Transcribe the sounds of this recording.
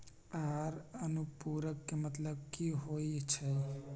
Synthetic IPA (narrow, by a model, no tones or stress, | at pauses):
aɾənupuːɾəkːemət̪ləb̚kiɦoit͡ʃʰɛ